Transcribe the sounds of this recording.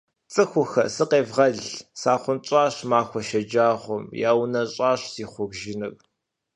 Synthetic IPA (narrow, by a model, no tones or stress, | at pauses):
t͡sʼɨxʷʊxɐ̰sɨqeːvʁɐɮsaːχʷʊnt͡ʃʼɑːɕmaːxʷɔʃɐd͡ʒaːʁʷʊmjaːwnɐɕʼɑːɕz̥iːχʷʊɣʒɪnɨkʼ